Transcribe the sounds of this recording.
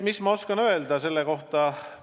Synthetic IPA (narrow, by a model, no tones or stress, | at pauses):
mismɑo̞skɑnø̞eld̪ɑse̞lːeko̞ht̪ɑ